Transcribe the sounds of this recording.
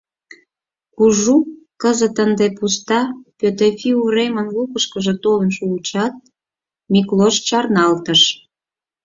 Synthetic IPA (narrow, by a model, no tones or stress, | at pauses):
kuʒu | kəzət̪ənd̪epust̪ɑpøt̪efiuremənlupəʃkəʒĕt̪olənʃuut͡ɕɑt̪̚ | mʲikloʃt͡ɕɑrnɑlt̪əʃ